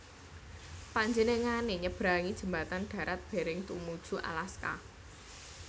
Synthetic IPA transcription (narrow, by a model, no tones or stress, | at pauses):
paɲd͡ʒeneŋaneɲəb̥ɾa̤ŋid̥ʒ̥ə̤mba̤t̪anɖ̥ä̤ɾat̪̚b̥e̤ɾɪŋt̪ṵmud̥ʒ̥ṳʔa̰laska̰